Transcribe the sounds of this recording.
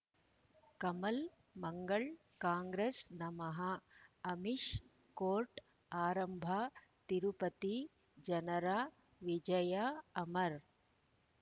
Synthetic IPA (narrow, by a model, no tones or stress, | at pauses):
kɐmɐl | mɐŋɡɐɭ | kaːŋɡɾeːsnɐmɐɦɐɐmiʂ | koːɾʈ | aːɾɐmbʱɐt̪iɾupɐt̪i | d͡ʒɐnɐɾaː | ʋid͡ʒɐjaːɐmɐɾ